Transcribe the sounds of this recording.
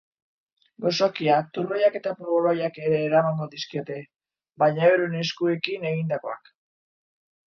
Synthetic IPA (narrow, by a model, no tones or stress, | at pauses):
ɡo̞so̞kiak̚t̪uɾojake̞t̪apoβolajake̞ɾe̞ːɾamaŋɡo̞ðiskio̞t̪e̞ | bajɲaeɾune̞skue̞kine̞ɣind̪ako̞a̰k